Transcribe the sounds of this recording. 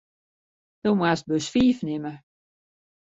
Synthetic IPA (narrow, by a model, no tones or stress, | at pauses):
d̥owmwast̚bøsfiːfnɪmə